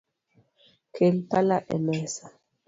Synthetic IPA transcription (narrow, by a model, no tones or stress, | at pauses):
kʰelpalaʔɛ̰mɛsḁ